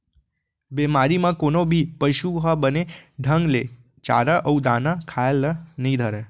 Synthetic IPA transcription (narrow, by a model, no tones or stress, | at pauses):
bemaɾimãkonobʱipəʃuɦabəneɖʱəŋɡle | t͡ʃa̰ɾaʔəud̪anakʰaelːənəɦĩd̪ʱəɾe